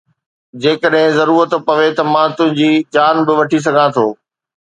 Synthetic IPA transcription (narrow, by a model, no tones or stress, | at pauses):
d͡ʑeːkəɗɦɪ̃zɐɾuːɾət̪pɐʋet̪ɐmãːt̪ʊ̃ɦɪ̃ɲd͡ʑiːt͡ɕaːnbɪʋɐʈʰis̬ɐɡʱãt̪ʰoː